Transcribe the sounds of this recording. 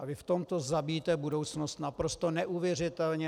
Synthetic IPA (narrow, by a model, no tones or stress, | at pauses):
ʔavɪft̪omt̪o̞zabiːt̪ɛbudowt͡snost̪napɾost̪onɛʔuvjɛr̝ɪt̪ɛlɲɛ